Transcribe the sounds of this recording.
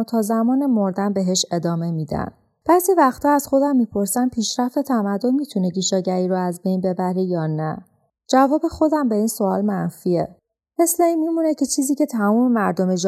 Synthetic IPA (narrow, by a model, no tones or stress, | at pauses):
t̪ʰɒːzæmɒːnemoɾd̪ænbe̞ɦeʃe̞d̪ɒːme̞miːd̪æ̰n | b̥æzivæxt̪ʰiæzxo̞d̪æmːiːpʰo̞ɾsæn̚pʰiːʃɾæft̪et̪ʰæmæd̪ːo̞nmiːt̪ʰuneɟiːʃɒːɟæɾiːɾɔæzbe̞jnbe̞bæɾejɒːnæ | d͡ʒævɒːbe̞xo̞d̪æmbe̞iːnso̞ɒːlmænfiːe | me̞sleiːnmimuːnecʰe̞t͡ʃʰiːziːcʰe̞t̪ʰæmumemæɾd̪omed͡ʒ